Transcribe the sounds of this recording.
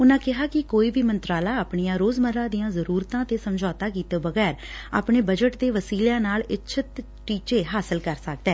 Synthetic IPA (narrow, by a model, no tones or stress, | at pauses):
ʊnãːkɪɦaːkɪkoːiːbiːmənt̪ɾaːlaːaːpɳijãːɾoːzməɾãːd̪ijãːzəɾuːɾt̪ãːt̪eːsəmd͡ʒaːt̪aːkiːt̪eːbəɡɛːɾa̰ːpɳeːbəd͡ʒəʈd̪eːʋəsiːljãːnaːlɪtːʃʰət̪ | ʈiːt͡ʃeːɦaːsəlkəɾsək̚d̪ɛː